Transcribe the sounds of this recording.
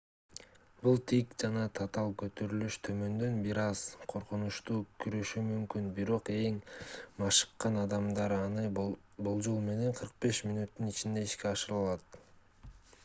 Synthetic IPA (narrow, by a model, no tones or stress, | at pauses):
bulˠt̪ʰikd͡ʒɑnɑt̪ʰɑt̪ɑlˠkø̞t̪ø̞ɾylyʃt̪ʰø̞mø̞nd̪ø̞nbiɾɑz̥qʰo̞ɾqunuʃt̪uːkʰyɾø̞ʃymymkynbiɾo̞qe̞ŋmɑʃɯ̥qːɑnɑd̪ɑmd̪ɑɾɑnɯ | bolˠd͡ʒolˠme̞ne̞ɴqʰɯɾq̚be̞ʃmʲinut̪ːynit͡ʃind̪e̞iʃke̞ɑʃɯɾɯlˠɑt̪